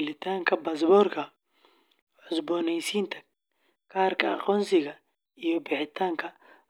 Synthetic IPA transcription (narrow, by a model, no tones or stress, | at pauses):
lɪt̪ʰaːŋkʰɐbɐs̬bɔrkʰɐ | ʕʊsbɔːnɛjsiːnt̪ʰɐ̥ | kʰaːrkʰɐɐ̰qɔːnsɪɣɐ | ijɔbɪħɪt̪ʰaːŋkʰɐ